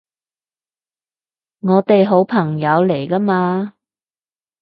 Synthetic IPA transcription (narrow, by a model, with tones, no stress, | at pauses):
ŋɔː˨˧t̪e˨jɦo˨˥wpʰɐ˨˩ŋjɐ˨˧wle˨˩jkɐ˥maː˧